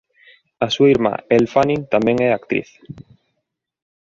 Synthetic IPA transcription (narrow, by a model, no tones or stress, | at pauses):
asuaiɾma̰elfanĩnt̪amɛ̃ŋɛakt̪ɾḭθ